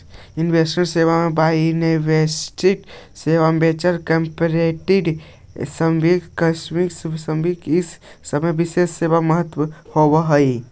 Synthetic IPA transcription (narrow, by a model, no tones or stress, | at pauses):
inʋesmẽʈseʋamebaneʋesʈiʈ | seʋambet͡ʃəɾkempɾeʈiɖ | səmbikkəsmikssəmbikɪsː | əməjbisesːebaməɦət̪wəhobəɦəi